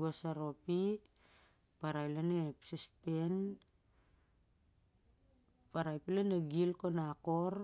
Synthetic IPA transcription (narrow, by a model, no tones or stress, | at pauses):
ɡosaɾo̞pi | paɾajlenepsispen | paɾajpilaneɡilko̞nako̞ɾ